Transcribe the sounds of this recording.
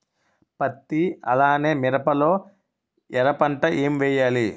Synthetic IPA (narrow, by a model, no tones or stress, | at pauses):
pɐt̪ːiɐ̰laːne̞ːmiɾɐpɐlo̞ː | ɛɾɐpɐɳʈɐʔeːmʋɛːjaːli